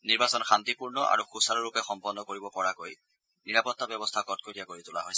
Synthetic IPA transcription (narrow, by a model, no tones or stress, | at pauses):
niɹbasɔnxant̪ipuɹnɔʔa̰ɹuxusalɔɹupɛxɔmpɔnːɔkoɹibɔpɔɹakoj | niɹapɔtːabɔbɔstʰakɔt̚kojiakoɹitʊla̰ɦojs